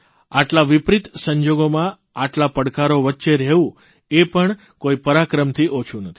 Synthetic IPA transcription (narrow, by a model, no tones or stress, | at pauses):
aʈlaʋipɾit̪səɲd͡ʒoɡomã | aʈlapəɽkaɾoʋətːʃeɾɛʋũ | epəɳ | koipəɾakɾəmt̪ʰiʔot͡ʃʰũnət̪ʰi̥